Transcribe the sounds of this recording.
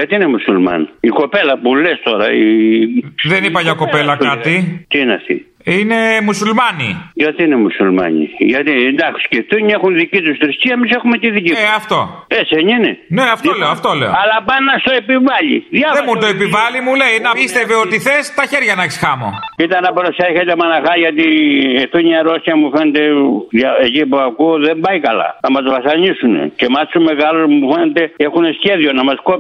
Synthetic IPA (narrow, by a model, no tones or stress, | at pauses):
ʝɐt̪iinemusulmɐ̰niko̞pelɐpulest̪o̞ɾɐ̰i | ðe̞nipɐʝɐko̞pe̞lɐkɐt̪it̪iineɐ̰ft̪ḭ | inemusulmɐnḭʝɐt̪iinemusulmɐ̰ɲḭʝɐt̪iend̪ɐksi̥sceft̪uɲiexunðicit̪ust̪ɾist̪iɐemisexumet̪iðiciɐft̪o̞ | eseɲinene̞ɐft̪oleoɐft̪o̞le̞oɐlɐpɐnːɐst̪oepivɐʎḭðjɐveomut̪oepivɐlimuleinɐist̪eveot̪iθest̪ɐçeɾʝɐnɐçisxɐmo̰it̪ɐnɐpɾoseçet̪emɐnɐxɐʝɐt̪ieft̪oɲɐɾo̞sçɐmufe̞net̪e̞ðjɐecipuɐkuoðembɐjkɐlɐ̰nɐmɐzvɐsɐɲisunḛcemɐsume̞ɣalosmufe̞net̪e̞exunesçe̞ðio̞nɐmɐskop